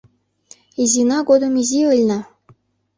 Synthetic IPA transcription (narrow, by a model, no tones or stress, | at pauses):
izʲinɑɡod̪ɤ̆mizʲiɯlʲnɤ̆